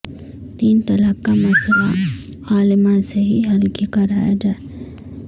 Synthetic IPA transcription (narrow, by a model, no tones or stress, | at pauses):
t̪iːnt̪ɐlakːamɐsəla | aːlɪmãseɦiɦɐlkikɐɾaːja̰d͡ʒaːe